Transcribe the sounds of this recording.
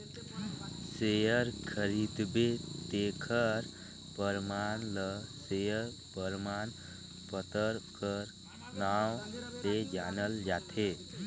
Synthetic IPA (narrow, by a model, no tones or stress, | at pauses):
sejəɾkʰəɾid̪bet̪ekʰəɾ | pəɾmanləsejəɾ | pəɾman | pət̪əɾkəɾ | nawled͡ʒanəld͡ʒat̪ʰe